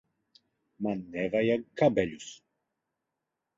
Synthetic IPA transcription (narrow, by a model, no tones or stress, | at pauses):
manːɛvajakːabɛlʲus